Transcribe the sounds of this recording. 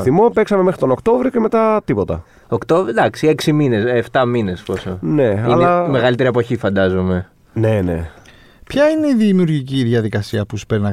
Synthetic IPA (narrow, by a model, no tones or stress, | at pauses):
θimo̞peksɐme̞me̞xɾi̥t̪o̞no̞kt̪o̞vɾioceme̞t̪ɐt̪ipo̞t̪ɐ̰ | okt̪o̞vɾid̪ɐksie̞ksimineseft̪ɐmine̞sposone̞ɐlɐme̞ɣɐlit̪e̞ɾiepo̞çifɐnd̪ɐzome̞ | ne̞nḛ | pçɐineiðimiuɾʝiciðiɐðikɐsiɐpusu̥peɾinɐ